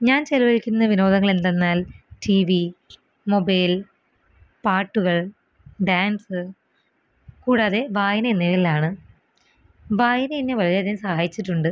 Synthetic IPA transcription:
ɲaːnt͡ɕeluʋɐɭkʲːunːɐʋino̞ːd̪ɐŋːɐɭend̪e̞nːaːlʈiːʋi | mo̞bɐjl | paːʈːuɣɐɭ | ɖaːnsɨ | kuːɽaːðe̞ʋaːjɐneenːeililaːɳɨ | ʋaːjɐneinːeʋɐliɾeðimsɐhaːjit͡ɕːiʈːuɳɖɨ

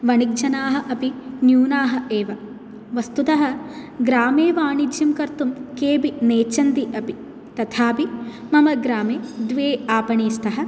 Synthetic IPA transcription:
ʋɐɳik̚d͡ʒɐnaːɦɐ̆ʔɐpinjuːnaːɦɐ̆eːʋɐ | ʋɐst̪ut̪ɐɦɐɡɾaːmeːʋaːɳid͡ʒ̪jɐmkɐɾt̪umkeːbineːt͡ʃɐnd̪iʔɐpi | t̪ɐt̪ʰaːpimɐmɐɡɾaːmeːd̪ʋeːaːpɐɳiːst̪ɐɦɐ̆

